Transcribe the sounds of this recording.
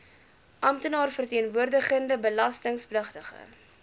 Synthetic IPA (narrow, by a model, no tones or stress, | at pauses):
ʔɐmtənɑːrfərtiənvuərdəχəndəbəlɐstəŋspləχtəχə̰